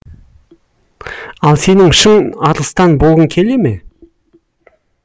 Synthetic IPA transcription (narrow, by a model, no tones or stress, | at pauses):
ɑlˠse̞nɪŋʃəŋɑɾlˠəst̪ɑnbo̞lˠʁəŋkʲʰe̞le̞me̞